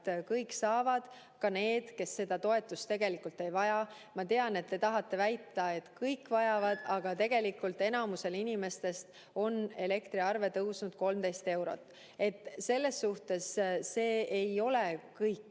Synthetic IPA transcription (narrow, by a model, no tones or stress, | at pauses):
t̪kɤjkːsɑːvɑd̪̥ | kɑne̞ːd̪̥ke̞sːe̞d̪̥ɑt̪o̞e̞t̪ːˑust̪e̞ɡ̥e̞likult̪ːe̞jvɑjɑ | mɑt̪e̞ɑne̞t̪̚ːe̞t̪ɑɦɑt̪ːe̞væjt̪ːˑɑe̞t̪kɯjkːvɑjɑvɑd̪̥ɑɡ̥ɑt̪e̞ɡ̥e̞likːˑult̪e̞nɑmuse̞linime̞st̪e̞st̪ | o̞ne̞le̞kt̪ɾiɑrve̞t̪ɤwsnud̪̥ko̞lmt̪e̞jst̪e̞wɾo̞̰t̪ːˑ | e̞t̪ːse̞lːe̞sːuht̪e̞sːe̞ːejo̞le̞kɤjkːˑ